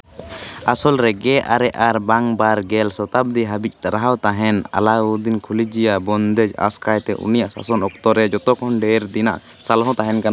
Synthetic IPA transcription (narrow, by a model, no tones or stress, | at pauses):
asɔlɾɛɡɛʔaɾɛʔaɾbaŋbaɾɡɛlsɔt̪ab̚d̪iɦabic̚t̪aɾaɦawt̪aɦɛna̰lauɾd̪inkʰulid͡ʒijabɔnd̪ɛd͡ʒa̰skajt̪ɛ̰ʔṵnijaʔsa̰sɔnɔk̚t̪ɔɾɛd͡ʒɔt̪ɔkʰɔnɖɛɾd̪ina̰ʔ | salɦɔ̃t̪aɦɛnkana